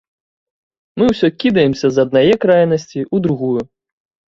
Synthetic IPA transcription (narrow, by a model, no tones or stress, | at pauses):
mɨwsʲɔkʲid̪ɐjɛmsʲɐzɐd̪̚najɛkɾajnɐsʲt͡sʲiʔud̪ɾuɣuju